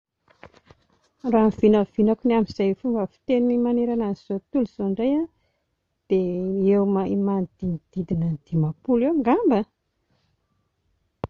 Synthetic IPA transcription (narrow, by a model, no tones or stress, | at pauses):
raːmiv̥inəv̥inakunamiz̥ajfumbəfi̥t̪enimaneɾanaizot̪uluzoɳɖ͡ʐaja | d̪̥eewmaimand̪inid̪̥id̪inənd̪̥imapulewŋɡambə